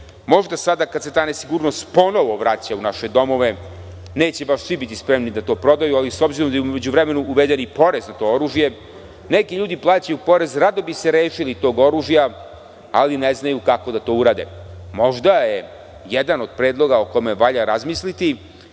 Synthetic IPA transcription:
mo̞ʒd̪asad̪akad̪set̪aːne̞siɡuːɾnost̪po̞no̞ʋo̞ʋɾat͡ɕaunaʃed̪o̞mo̞ʋe̞ | ne̞ːt͡ɕe̞baʃsʋibit̪ispɾe̞mnid̪at̪o̞ːpɾo̞d̪ajualisobziɾo̞md̪ajumed͡ʑuʋɾeme̞nuːʋed̪enipo̞ɾe̞znat̪o̞ːoɾuːʒje̞ | nekiʎuːd̪iplˠaːt͡ɕajupo̞ɾe̞zɾad̪o̞bise̞ɾe̞ːʃilit̪o̞ːɡo̞ɾuːʒija | alineznajukako̞d̪at̪o̞ːuɾaːd̪e̞̰mo̞ʒd̪aje | jed̪ano̞d̪̚pɾeːd̪lˠo̞ɡaokomeʋaʎaɾazmislit̪i

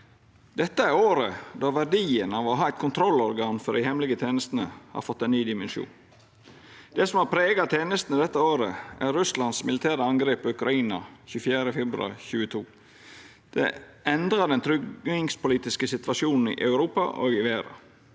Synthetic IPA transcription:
d̪̥ɛt̪ːəæɾoːɾəd̪ɑːʋæɖiːənɑʋɔɦɑːæɪt̪̚kʰʊnt̪ʰɾɔlːɔɾɡɑːnfɔɾd̪ɪhɛmlɪɡət̪ʰeːnəst̪nə̰hɑ̰ɾfɔt̪ːɛnnːyːd̪ɪmɛnʃṵːn | d̪̥ɛsɔmhɑːpʰɾeːɡɑt̪ʰeːnəst̪nəd̪ɛt̪ːəoːɾəʔæɾɾʉslɑnsmɪlɪt̪ʰæːɾəɑŋɡɾeːpɔʉkɾɑiːnɑçʉːfjæːɾəfɛbɾʉɑ̰çʉːət̪ʰuː | d̪̥ɛ̰ | ʔɛnd̪ɾəd̪ɛnt̪ʰɾʏɡnɪŋspʊliːt̪ɪskəsɪt̪ʋɑʂuːnn̩ɪ̰ʔɑʉɾuːpɑ̰ʔɔ̰ɡɪʋeːɾɑ̰

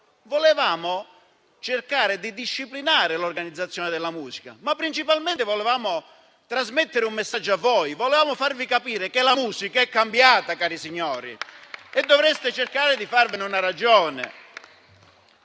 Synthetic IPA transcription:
vɔlɪvaːmʊ | t͡ʃɪrkaːɾɪd̪id̪iʃːiplinaːɾɪlorɡanid̪zːat̪sːjɔːnɪd̪ɪlːamuːsi̥ka̰mapːɾint͡ʃipalmɛnt̪ɪvɔlevaːmʊ | t̪ɾazmet̪ːɪɾɪumːesːad͡ʒːoavːɔːjvɔlevaːmʊfarvikapiːɾɪkɪlamuːsikaɛkːambjaːt̪akaːɾisiɲːɔːɾḭɛd̪ːɔvɾɛst̪ɪt͡ʃerkaːɾɪd̪ifarvɪnɪunaɾad͡ʒɔːnɪ̰

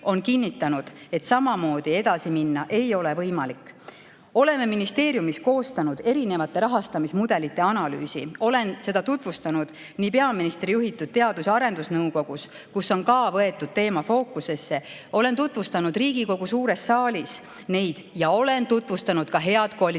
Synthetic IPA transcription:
o̞nkinːit̪ːˑɑnud̪̥e̞t̪sɑmɑmo̞ːd̪̥ie̞d̪̥ɑsiminːɑʔe̞jo̞le̞vɤjmɑlikːˑ | o̞le̞meminist̪e̞ːɾjumisko̞ːst̪ɑnud̪̥e̞ɾine̞vɑt̪ːˑe̞ɾɑɦɑst̪ɑmismud̪̥e̞lit̪ːˑe̞ɑnɑly̰ːsḭo̞le̞nse̞d̪̥ɑt̪ut̪vust̪ɑnud̪̥ | nipe̞ɑminist̪rijuɦit̪ːˑud̪̥̚t̪e̞ɑd̪usɑɾe̞nd̪usnɤwko̞ɡ̥us | kusːo̞nkɑːvɤe̞t̪ːˑud̪̥̚t̪e̞ːmɑfo̞ːkuse̞sːe | o̞le̞nt̪ut̪ˑvust̪ɑnud̪̥riːɡ̥iko̞ɡ̥usuːɾe̞sːɑːlʲis | ne̞jd̪̥jɑo̞le̞nt̪ut̪vust̪ɑnud̪̥kɑɦe̞ɑd̪̥koɑl

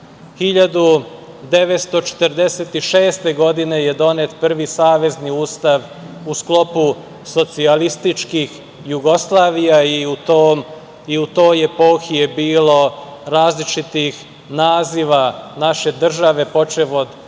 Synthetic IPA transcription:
xiʎad̪u | d̪e̞ʋet̪st̪o̞t͡ʃe̥t̪əɾd̪eset̪iʃeːst̪e̞ɡo̞d̪ine̞jed̪o̞ne̞t̪pr̩ʋisaːʋe̞zniuːst̪aʋ | usklˠo̞pu | so̞t̪sialist̪it͡ʃkix | juɡo̞slˠaːʋijaiut̪om | iut̪o̞ːjepo̞ːxiebiːlo̞ɾaːzlit͡ʃit̪ix | naːziʋanaʃe̞d̪r̩ʒaʋe̞po̞t͡ʃeʋod̪

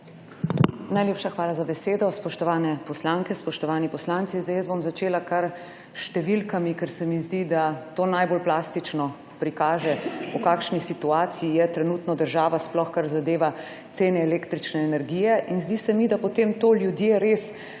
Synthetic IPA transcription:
najleːpʃaxʋaːlazabɛseːd̪ɔspɔʃt̪ɔʋaːnɛpɔslaːŋkɛspɔʃt̪ɔʋaːnipɔslaːnt̪sizd̪ajəzbomzat͡ʃeːlakaɾ | ʃt̪ɛʋilkamikɛɾsɛmizd̪id̪at̪oːnajbolplaːst̪it͡ʃnɔ | pɾikaːʒɛukaːkʃnisit̪uaːt̪sijijɛt̪ɾɛnuːt̪nɔd̪əɾʒaːʋasplɔxkaɾzad̪eːʋa | t̪seːnɛːleːkt̪ɾit͡ʃnɛːnɛɾɡijɛʔinzd̪isɛmid̪apɔt̪eːmt̪oːljud̪jeɾeːs

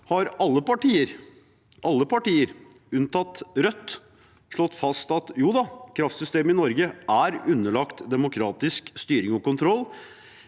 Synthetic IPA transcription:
hɑɾɑlːəpɑʈiːəɾ | ʔɑlːəpɑʈiːəɾ | ʉnt̪ɑt̪ɾœt̪ː | ʂɭɔt̪ːfɑst̪ɑt̪juːd̪ɑkʰɾɑft̪sʏst̪eːmɪnɔɾɡəʔæɾʉnːəɭɑkt̪d̪ɛmʊkʰɾɑːt̪ɪskst̪yːɾɪŋɔkʊnt̪ʰɾɔlː

